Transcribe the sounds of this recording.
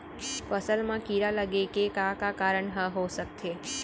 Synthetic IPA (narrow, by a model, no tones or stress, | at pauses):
fəsəlmãkiɾaləɡekekakakaɾəɳɦəɦosək̚t̪ʰe